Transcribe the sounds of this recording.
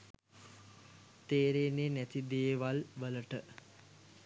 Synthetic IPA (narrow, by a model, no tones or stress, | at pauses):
t̪eːɾeːneːnæt̪id̪eːʋalʋələʈə